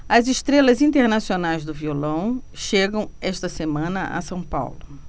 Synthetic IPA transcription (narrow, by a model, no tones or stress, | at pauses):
ɐziʃt̪ɾelɐzĩnt̪eɾnasionajzd̪ʊviolɐ̃w̃ʃeɡɐ̃w̃ɛʃt̪ɐsemɐ̃nɐʔɐ̰sɐ̃w̃pa̰wlʊ